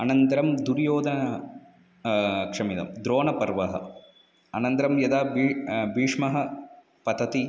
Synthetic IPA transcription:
ɐnɐnt̪ɐɾɐmd̪uɾjoːd̪ʱɐnɐ | kʂɐmit̪ɐ̰md̪ɾoːnɐpɐɾʋɐɦɐ̰ | ɐnɐnt̪ɐɾɐmjɐd̪aːbibiːʂmɐɦɐ | pɐt̪ɐt̪i

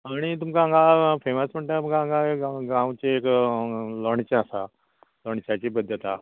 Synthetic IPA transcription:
aɽ̃it̪umkaãŋɡafeməsm̤əɳʈ̪at̪ukaãŋɡaɡãwt͡ɕeek | lɔɳ̃t͡ɕẽasa | lɔɳt͡ɕat͡ɕipəd̪ʱjət̪a

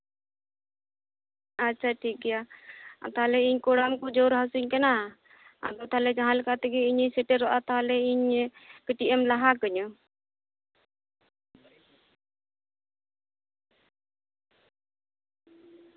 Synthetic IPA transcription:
atːʃʰaʈʰik̚ɡɛja̰t̪aɦalɛiɲkɔɽamkɔd͡ʒɔɾɦasiɲkana | a̰ɡɔt̪aɦalɛd͡ʒãɦãlɛkat̪ɛɡɛiɲisɛʈɛɾɔʔat̪aɦalɛiɲkiʈiʔɛmlaɦakəɲɔ

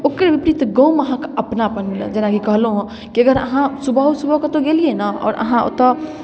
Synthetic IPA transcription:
okɾeʋipɾit̪ɡə̃wməɦãkəpnapənl̰d͡ʒenakikəɦlɦũ | kiəɡəɾə̰ɦãsubʱəsubʱəket̪oɡelienəɔ̰ːɾə̰ɦão̰t̪ɔ

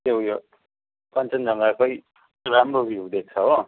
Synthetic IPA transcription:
t̪ẽjo | pʌnt͡sʌnd͡zʌŋɡakʌj | ɾamrobʱjud̪ek̚t͡sʰʌɦo

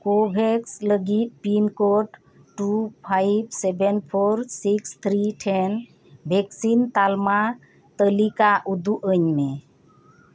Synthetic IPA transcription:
kobʱeksləɡit̪̚pinkoʈ | ʈupʰajbsɛbenpʰoɾsikst̪ʰɾiʈʰen | bʱɛksint̪alma | t̪əlikaʔud̪uʔəɲme

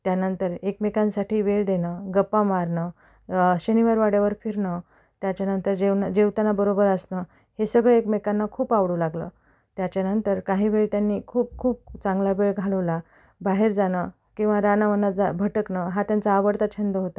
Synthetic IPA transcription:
t̪janənt̪əɾekmekansaʈiːʋeɭd̪enəɡəpːamaɾɳə | ɕəniʋaɾʋaɽjaʋəɾfiɾɳə | t̪jat͡ɕjanənt̪əɾd͡ʑend͡ʑewt̪anːabəɾobəɾəsnə | hesəɡɭeekmekanːakʰuːpaʋɽulaɡlə̰ | t̪jat͡ɕjanənt̪əɾkaɦiːʋeɭt̪janːiːkʰuːp̚kʰuːp̚t͡sãŋɡlabeɭɡʱaləʋla | baɦeɾd͡zanə | kĩw̃ʋaɾanamənːad͡zabʱəʈəknəɦat̪jant͡saːʋəɽt̪at͡ɕʰənd̪əɦot̪a

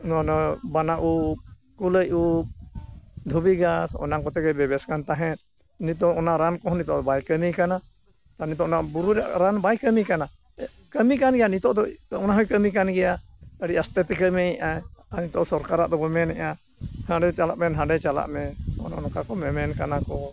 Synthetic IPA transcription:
nɔnɔbanaʔu | kuləju | d̪ʱubiɡasɔ̰naŋkɔt̪ɛɡɛbɛbɛskant̪aɦɛ̃t̪̚ | nit̪ɔɔnaɾankɔɦɔnit̪ɔʔd̪ɔbajkəmikana | t̪anit̪̬ɔʔɔnabuɾuɾaʔɾanbajkəmikana | kəmikanɡɛjanit̪ɔʔd̪ɔɔnaɦɔjkəmik̬anɡɛja | əɽiast̪ɛt̪ɛkəmɛɛʔaanit̪ɔʔsɔɾkaɾaʔd̪ɔbɛmɛnɛʔa | hãɖɛt͡ʃalaʔmɛnɦãɖɛt͡ʃala̰ʔmɛɔ̰nanɔkakɔmɛmɛnkanakɔ

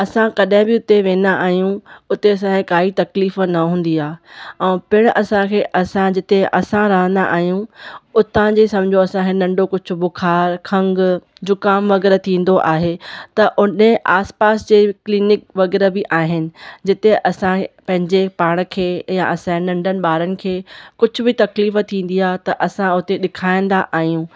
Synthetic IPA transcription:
ɐsãkɐɗɦɪ̃bɪʊt̪eʋẽːnd̪aʔaːɦijũʊt̪eɐs̬ãkʰekaːit̪ɐkliːfnɐɦũːn̆d̪iaːɛ̃ːpɪɽ̃ʔɐsãkʰeːʔɐsãd͡ʑɪt̪eʔɐsãɾɐɦə̃nd̪a̰ʔaːɦijũʊt̪ãd͡ʑeːsɐ̃md͡ʑʱoɐsãkʰenɐ̃ɳɖokʊd͡ʑʱʰʊ̆bʊkʰaːɾkʰɐ̃ŋɡ | d͡ʑʊkaːmʋɐɣɛːɾt̪ʰĩːn̆d̪oʔaːɦet̪ɐʔʊneʔaːspaːsd͡ʑeːkliːnɪkʋɐɣɛːɾebɪʔaːɦɪnɪ̆d͡ʑɪt̪eʔɐsãpɐ̃ɦɪ̃ɲd͡ʑepaːɽ̃̆kʰeːjã̰ʔɐsãnɐ̃ɳɖənɪ̆ɓaːɾənɪ̆kʰeːkʊd͡ʑʱʊbɪt̪ɐkliːft̪ʰːĩːn̆d̪iaːɦt̪ɐʔɐsãʊt̪eɗɪkʰaːĩnd̪aʔaːɦijũː

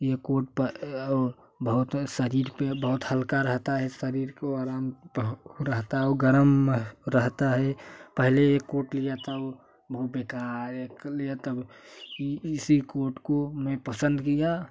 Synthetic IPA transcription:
jekoɾʈ̚pəːɾ | bəɦʊt̪səɾiɾpebəɦʊt̪həlkaɾəɦt̪aɦɛsəɾiɾkoaɾampəɾəɦt̪aɦɛɔɡəɾəmɾəɦt̪aɦɛpəɦleekːoːɾʈlijat̪əb | bəɦʊt̪̚bekaɾeklijat̪əb | sikoɾʈkomepəsə̃nd̪kija

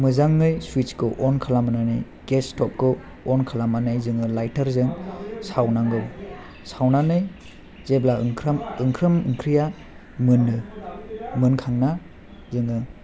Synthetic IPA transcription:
mɯzaŋːɯjswit͡ʃkɯʔɔnkʰalamananɯj | ɡ̥estɔp̚kɯ | ɔnkʰalamanɯjzɯŋɯlajtaɾzɯŋsawnaŋɡɯ | sawnanɯj | zeblakʰɾamɯŋkʰɾɯmɯŋkʰɾija | mɯnɯ | mɯnkʰaŋna | zɯŋɯ

